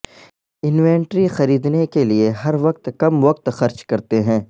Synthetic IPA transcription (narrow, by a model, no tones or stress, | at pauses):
ɪnʋɛ̃ːɳʈɾixɐɾiːd̪nekelieɦɐɾʋɐq̚t̪kɐmʋɐq̚t̪xɐɾt͡ʃkɐɾt̪eɦɛ̃ː